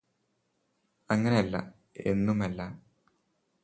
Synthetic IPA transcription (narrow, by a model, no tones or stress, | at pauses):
ɐŋːɐne̞ɐlːɐ̰ | e̞nːumɐlːɐ